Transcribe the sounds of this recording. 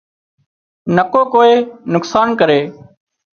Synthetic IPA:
nəkoːkoːeːnʊksaːnkəɾeː

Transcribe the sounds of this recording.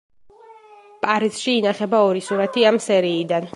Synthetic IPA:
pʼaɾisʃiːnaχɛbaɔɾisuɾat̪ʰiamsɛɾiːd̪an

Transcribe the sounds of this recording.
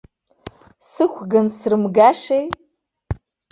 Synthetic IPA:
sɨkʷʰɡɨnsrɨmɡaʂej

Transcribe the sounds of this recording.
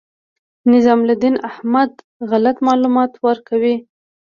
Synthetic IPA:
nɪzɑmlad̪inahmad̪ | ɣalat̪mɑlumɑt̪waɾkawi

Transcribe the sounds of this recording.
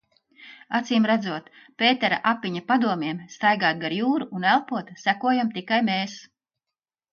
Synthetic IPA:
at̪siːmɾæd̪zuɔt̪ | pʲeːt̪ɛɾa̰ʔapːiɲapad̪uɔmʲiɛmst̪ajɡaːt̪̚ɡaɾjuːɾuːnælˠpuɔt̪sækuɔjamt̪ikajmeːs

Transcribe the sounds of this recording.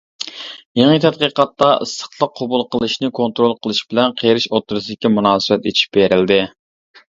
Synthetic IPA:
jeŋət̪ʰɛt̪̚qəqɑt̪ːɑɨ̰sːə̥χlˠəqʰːobulˠqʰəlˠɨʃnɪkʰont̪ɾolˠqʰəlˠɨʃbɪlɛnqʰeɾɪʃot̪ːɾɨsɪd̪ɪkʲimunɑːsɨwɛt̪it͡ʃʰi̥p̚beɾɪld̪ɪ

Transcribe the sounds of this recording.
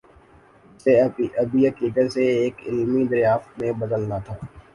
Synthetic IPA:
seiɐbiɦəkiːkəɾseeːkɪ̰lmid̪əɾjaːft̪mẽbɐd̪əlnat̪ʰaː

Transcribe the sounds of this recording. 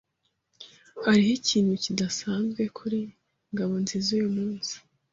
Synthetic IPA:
haɾiɦiciːnhucidasaːnzɡwe̞kʰuɾi | ŋɡaβo̞nzizujumuːnz̥i̥

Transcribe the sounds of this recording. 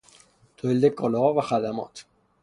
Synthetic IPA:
t̪ʰoeld̪ekʰɒːlehɒvæxæd̪æmɒ̰ːt̪ʰ

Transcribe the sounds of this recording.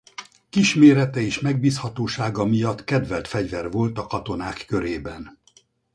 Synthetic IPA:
kiʃmeːɾɛt̪ɛeːʃmɛɡ̚biːshɒt̪oːʃaːɡɒmijɒt̪kɛd̪vɛlt̪fɛɟvɛrvo̞lt̪ɒkɒt̪o̞naːkːøɾeːbɛn

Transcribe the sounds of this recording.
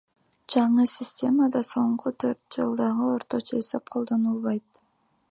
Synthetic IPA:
d͡ʒɑɴɯsʲɪsʲtʲe̞məd̪ɑso̞ɴqʰut̪ʰøɾt̪̚d͡ʒɯ̰lˠd̪ɑʁɯo̞ɾt̪o̞t͡ʃoesɑp̚qʰo̞lˠd̪o̞nulˠβɑjt̪

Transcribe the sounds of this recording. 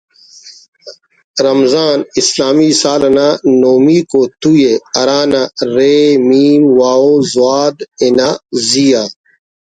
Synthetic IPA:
ɾɐmzaːnislaːmiːsaːlɐnaːnoːmiːkot̪ujeɐɾaːnaɾeːmiːmwaːozuaːd̪enaːzijaː

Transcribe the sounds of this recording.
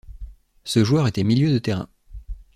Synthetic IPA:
səʒuœʁet̪ɛmiljød̪ət̪eʁɛ̰̃

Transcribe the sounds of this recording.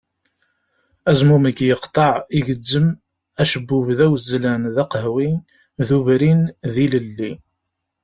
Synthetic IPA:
æzmuməkːjəqt̪ˤɑʕiʝəd͡zːəm | æʃəbːʊvðæwəzlænðɑqɦwin | ðuvɾinðiləlːi

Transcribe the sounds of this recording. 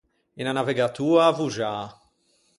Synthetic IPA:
inanavɛɡat̪uːavuʒa

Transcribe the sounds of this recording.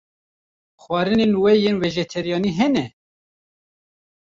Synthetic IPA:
xwɑːɾɨnenwɛjeːnweʒɛt̪ʰɛɾijɑːniɦɛnɛ

